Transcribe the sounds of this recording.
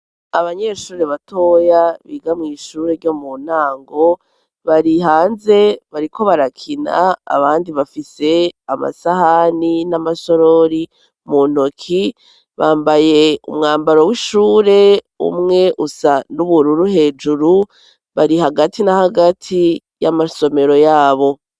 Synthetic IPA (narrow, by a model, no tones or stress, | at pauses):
aβaɲeʃuːɾeβato̞jaβiːɡamŋiːʃuːɾe̞ɾɟo̞mun̥aːŋɡo̞ | βaɾiɦaːnze̞βaɾiko̞βaɾakʰina̰a̰βaːndiβafise̞ama̰sahaninamaso̞ɾoɾi | muːn̥okʰi | βaːmbaje̞ṵmŋaːmbaɾo̞wiʃuːɾe̞ | ṵmŋe̞ʔusanuβuɾuɾuɦe̞ːd͡ʒuɾu | βaɾiɦaɡatinahaɡatʰi | jamaso̞me̞ɾo̞jaːβo̞